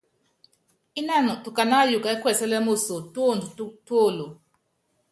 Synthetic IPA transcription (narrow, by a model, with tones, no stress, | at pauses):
i˦na˦˨nɔ˨tu˨ka˨na˦ju˨ka˨ɛ˦kwɛ˦˨sɛ˦lɛ˦mo˦so˨to˦˨ndu˨tu˦to˦˨lo˨